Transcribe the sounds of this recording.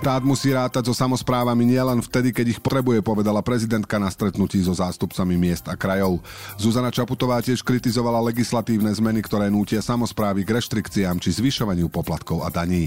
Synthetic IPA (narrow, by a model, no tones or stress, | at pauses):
t̪aːd̪musiːɾaːt̪aɟzɔsamɔspɾaːʋamiɲɪɛlɛnft̪ɛd̪ikɛɟixpɔt̪ɾɛbujɛpɔʋɛd̪alapɾɛzid̪ɛnt̪̚kanast̪ɾɛt̪nuciːzɔzaːst̪upt͡samimɪɛzd̪akɾajɔʊ | zuzanat͡ʃaput̪ɔʋaːcɪɛʃkɾit̪izɔʋalalɛɡislat̪iːʊnɛzmɛnikt̪ɔɾɛːnuːcɪasamɔspɾaːʋiɡɾɛʃt̪ɾikt͡siaːmt͡ʃizʋiʃɔʋaɲɪupɔplat̪kɔʊa̰d̪aɲiː